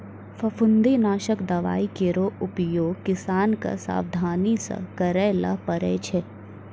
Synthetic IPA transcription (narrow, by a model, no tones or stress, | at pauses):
fʰɐfʊnd̪eːnaːʃəkd̪ɐʋa̰ːikeɾoːʊpjoːɡ̚kɪsaːnka̰sa̰ːʋd̪ʱaːnisɐ̰kɐɾɛːlɐ̰pɐɾɛ̰ːt͡ʃʰɛ